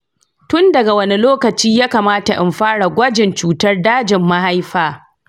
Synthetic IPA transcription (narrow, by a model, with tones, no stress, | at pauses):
tʊ˦ndɐ˨ɡa˨wɐ˦ni˦loː˦kɐ˨t͡ʃiː˦jaː˦kaː˨maː˦ta˨ʔɪ̰˨mɸaː˦ɽa˨ɡʷɐ˦d͡ʒɪ˨nt͡ʃuː˦tɐ˦rdaː˦d͡ʒɪ˨mːa˦ha˦jɸaː˦˨